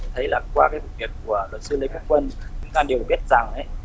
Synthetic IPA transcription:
t̪ʰə˨˦jlaː˨˩kwaː˧kaː˨˦vṵ˨˩vi˨˩ək̚ːu˧˩əlwə˨˩t̚sɨ˨˧˦le˧ku˦˥k̚wə˧nɨ̰˨˧˦k̪aː˧ɗi˨˩əwɓi˦˥t̚zaː˨˩ŋʔə˨˦j

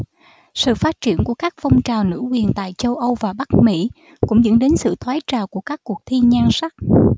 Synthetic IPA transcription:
sɨ̰˧˨faː˦˥t̚t͡ɕi˧˩ənku˧˩əkaː˦˥k̚fɔ˧wŋ͡mt͡ɕaː˨˩wnɨ̰˧˥kwi˨˩ənt̪a̰ː˧˨jt͡ɕə˧wʔə˧wvaː˨˩ɓa˦˥k̚mḭ˧˥ | kʊ̰˧˥ŋ͡mzə̰˧˥nɗe˨˦nsɨ̰˧˨t̪ʰwaː˨˦jt͡ɕaː˨˩wku˧˩əkaː˦˥kːu˨˩ək̚t̪ʰi˧ɲaː˧nsa˦˥k̚

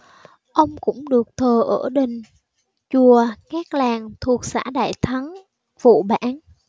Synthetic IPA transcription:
ʔə˧wŋ͡mkʊ̰˧˥ŋ͡mɗɨ˨˩ək̚t̪ʰəː˨˩ʔəː˧˩ɗï˨˩ŋ̟ | t͡ɕu˨˩əkaː˦˥k̚laː˨˩ŋt̪ʰu˨˩ək̚sa̰ː˧˥ɗa̰ː˧˨jt̪ʰa˨˦n | v̥ṵ˧˨ɓa̰ː˧˥n

